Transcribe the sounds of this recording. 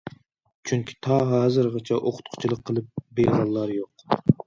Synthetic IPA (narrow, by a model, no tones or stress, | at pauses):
t͡ʃʰyŋkʲʰi̥t̪ʰɑɦɑːzɨɾʁɑt͡ʃʰɛʔoqʰʊ̥t̪̚qʰʊ̥t͡ʃʰilˠəqʰːəlˠɨp̚bejʁɑlˠːɑɾjoq